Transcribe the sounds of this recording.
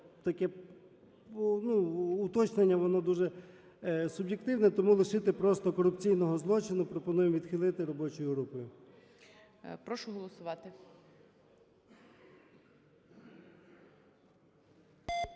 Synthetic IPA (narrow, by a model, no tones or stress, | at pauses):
t̪ɐkɛ | nuːt̪ɔt͡ʃnenʲːɐʋɔnɔd̪uʒɛ | sʊbjekt̪ɪwnɛt̪ɔmulˠɪʃɪt̪ɪpɾɔst̪ɔkɔɾʊpt͡sʲijnɔɦɔzlˠɔt͡ʃɪnʊpɾɔpɔnujemʋʲid̪xɪlˠɪt̪ɪɾɔbɔt͡ʃɔjʊɦɾupɔjʊ | pɾɔʃʊɦɔlˠɔsʊʋɑt̪ɪ